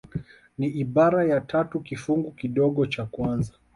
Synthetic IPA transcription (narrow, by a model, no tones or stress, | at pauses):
niʔiɓaɾajatʰatukifuŋɡukiɗɔɠɔt͡ʃakwanza